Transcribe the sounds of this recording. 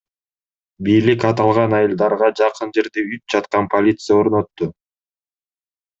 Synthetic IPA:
bijlikɑt̪ɑlˠʁɑnɑjɯlˠd̪ɑɾʁɑd͡ʒɑqɯnd͡ʒe̞ɾd̪eyt̪̚d͡ʒɑt̪qɑnpʰolʲit̪sɨjao̞ɾno̞t̪ːʊ

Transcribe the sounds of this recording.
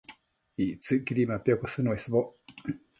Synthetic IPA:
it͡sɨɡʲiɾʲimapʲiokosɨnoesɨbo

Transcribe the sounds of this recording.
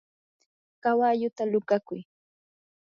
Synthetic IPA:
kawaʎʊt̪alʊkakʊj

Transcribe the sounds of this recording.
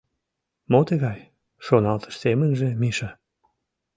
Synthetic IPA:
mot̪əɣɑj | ʃonɑlt̪ə̥ʃsemənʒĕmiʃɑ

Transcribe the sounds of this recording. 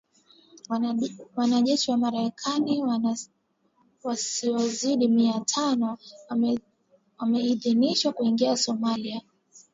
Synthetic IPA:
wanaʄɛʃiwamaɾɛkʰani | wasiɔziɗimiatʰanɔ | wamɛiðiniʃwakuiŋɡiasɔmalia

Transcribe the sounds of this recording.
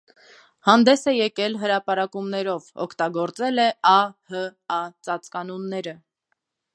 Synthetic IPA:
hɑnd̪ɛsɛjɛkɛlɦəɾɑpɑɾɑkumnɛɾɔvɔ̰kʰt̪ɑɡɔɾt͡sɛlɛɑhəɑt͡sɑt͡skɑnɔnːɛɾə

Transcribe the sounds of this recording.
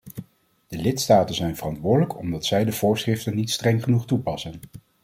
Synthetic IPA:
d̥əlɪtstaːtənzɛjnvərɑntʋʊːdələkʰɔ̰mdɑtsɛjdəv̥ʊːɹsχrɪftənːitstrɛŋχənuχtupɑsən

